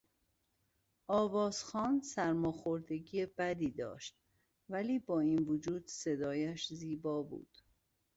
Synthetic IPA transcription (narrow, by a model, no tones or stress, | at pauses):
ʔɒːvɒːz̥xɒːnsæɾmɒːxo̞ɾd̪e̞ɟijeb̥æd̪iːd̪ɒ̰ːʃt̪̚ | væliːbɒːinvod͡ʒuːd̪se̞d̪ɒːjæʃziːbɒːbṵːd̪̥